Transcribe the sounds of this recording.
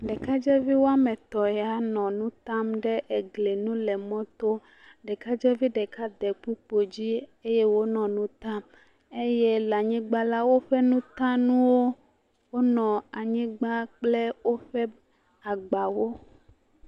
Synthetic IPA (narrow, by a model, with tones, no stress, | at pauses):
ɖɛ˨ka˦d͡ʒɛ˦vi˦wo˦a˦mɛ̃˨t̪ɔ˨jɛ˨a˨nɔ̃˨nũ˦t̪a˦mɖɛ˦ʔe˨ɡle˨nũ˦lɛ˨mɔ̃˦t̪o˦ | ɖɛ˨ka˦d͡ʒɛ˦vi˦ɖɛ˨ka˦d̪ɛ˨k͡pu˦k͡po˨d͡ʑi˦e˦jɛ˦wo˦nɔ̃˨nũ˦t̪a˦m | e˦jɛ˦la˨ɲĩ˦ɡ͡ba˦la˦wo˦ɸɛ˦nũ˦t̪ã˦nũ˦wo˦ | wo˦nɔ̃˨a˨ɲĩ˦ɡ͡ba˦k͡plɛ˦wo˦ɸɛ˦ | a˨ɡ͡ba˨wo˦